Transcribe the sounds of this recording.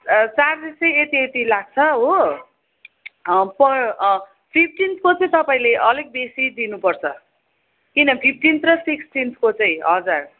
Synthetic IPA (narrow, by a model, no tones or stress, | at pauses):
t͡sard̪isejet̪iet̪ilaɡ̚t͡sʰʌɦo | pʌ | pʰip̚ʰʈinskot͡sʌĩt̪ʌpaĩleʔʌlʌk̚b̪esid̪inupʌrt͡sʰʌ | kinʌpʰip̚ʰʈint̪rʌsiksʈinskot͡sʌĩɦʌd͡zar